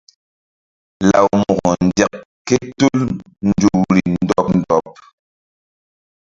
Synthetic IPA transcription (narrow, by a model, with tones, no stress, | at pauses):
la˨wmɔ˨ɡɔ˨n̩˨djɛ˨k̚ | kːɛ˦tu˦l | n̩˦˨d͡ʒu˨wɾi˨n̩˦dɔ˦p̚n̩˨dɔ˨p̚